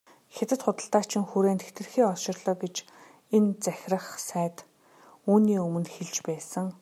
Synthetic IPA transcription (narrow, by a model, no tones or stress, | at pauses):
xet̪ɘ̆t̪χʊt̪ə̆ɬt̪aːt͡ɕʰɪ̆ŋxuɾeːnt̪ʰext̪ɘ̆rxiːɔʃɪ̆rɮɞ̆ːɡet͡ɕ | ent͡sæxʲrə̆χsæːt̪ | uːniːɵmɵ̆nxeɮt͡ɕpæːsə̆ŋ